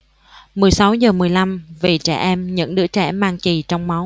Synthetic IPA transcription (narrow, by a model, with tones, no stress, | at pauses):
mɨ˨˩əjsa˨˦wzəː˨˩mɨ˨˩əjla˧mvi˨˩t͡ɕɛ˧˩ʔɛ˧mɲə̰˧˥ŋɗɨ̰˧˥ət͡ɕɛ̰˧˩maː˧ŋt͡ɕi˨˩t͡ɕɔ˧wŋ͡mma˨˦w